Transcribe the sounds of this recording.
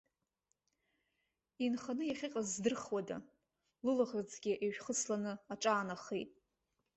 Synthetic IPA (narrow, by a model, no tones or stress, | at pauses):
inχanɨjaχʲiqʼazdɨrχwada̰ | lɨlaʁad͡zɡʲɪʔeʒᶣχət͡sʰlanɨaʈ͡ʂʼaːnaχejtʼ